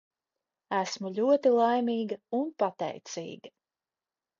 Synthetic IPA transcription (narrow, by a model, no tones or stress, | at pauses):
æsmuʎʲuɔt̪ilˠajmʲiːɡɐunpat̪ɛ̰jt̪sḭːɡɐ